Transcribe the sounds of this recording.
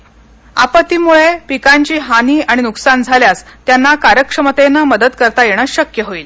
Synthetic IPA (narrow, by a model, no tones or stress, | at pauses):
a̰pət̪imuɭepikaɲt͡ɕiːɦaniːaɽ̃inuksand͡zʱaljast̪janːakaɾjəkʂəmət̪enəməd̪əd̪kəɾt̪ajeɽ̃əɕəkjəɦoiːl